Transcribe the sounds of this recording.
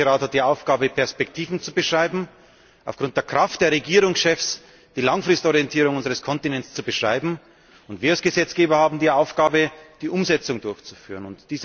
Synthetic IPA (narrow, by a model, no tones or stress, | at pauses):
əʁaːthat̚d̥iːaʊfɡ̥aːbəpʰɛɐspɛktʰiːvn̩t͡subəʃʁ̥aɪbm̩ | ʔaʊfɡ̥ʁʊnt̚d̥eːɐkʁ̥aft̚d̥eːɐʁeɡiːʁʊŋsʃɛfs | d̥iːlaŋfʁ̥ɪstɔʁiɛntʰiːʁʊŋʊnzəʁəskʰɔntinɛnst͡subəʃʁ̥aɪbm̩ | ʊntv̥iːɐalsɡ̥əzɛt͡sɡ̥eːbɐhaːbm̩diːaʊfɡ̥aːbəd̥iːʔʊmzɛt͡sʊŋdʊɐçt͡su̥fyːʁənʊntd̥iːz